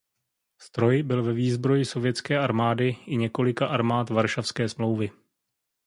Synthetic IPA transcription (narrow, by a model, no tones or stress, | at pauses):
st̪ɾo̞jbɪlvɛviːzbɾo̞jɪso̞vjɛt͡skɛːʔaɾmaːdɪʔɪɲɛko̞lɪkaʔaɾmaːt̪vaɾʃafskɛːsmlo̞wvɪ